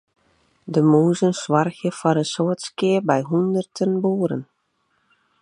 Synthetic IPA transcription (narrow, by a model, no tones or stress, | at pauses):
dəmuːzənswɑrxjəfɔɾəsoətskɪərbɛjɦundərtʰənbuːɾə̰n